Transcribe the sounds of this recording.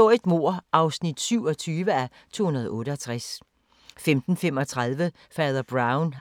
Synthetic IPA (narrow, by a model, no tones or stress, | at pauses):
ɔ̰id̥mo̝ɐ̰ɑ̈ʊsnid̥syʊɒ̽t͡sʰyːʋəæ | t͡sʰo̝̰ːhunɐð̞ˠɔ̽ːɾəɒt͡sʰʁas | femd̥n̩fem̰ɒ̽t͡sʰʁɑðˠʋə | fɛːðˠɐb̥ʁɑ̈ʊn